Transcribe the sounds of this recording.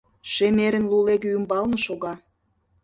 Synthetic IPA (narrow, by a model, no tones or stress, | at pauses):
ʃemeɾə̆nluleɣøymbɑlnɤ̆ʃoɣɑ